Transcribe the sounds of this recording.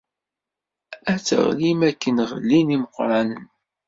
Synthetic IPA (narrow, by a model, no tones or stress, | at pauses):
æt͡sːə̰ʁlimækːənʁə̰lːiniməqːɾˤɑnən